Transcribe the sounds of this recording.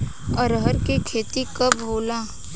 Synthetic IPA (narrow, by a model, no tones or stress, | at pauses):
əɾɦəɾkikʰeːt̪ikɐbboːlaː